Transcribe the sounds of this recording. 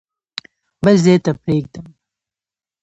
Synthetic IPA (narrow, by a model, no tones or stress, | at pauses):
bɐlzet̪ɐpɾeːɡ̚d̪əm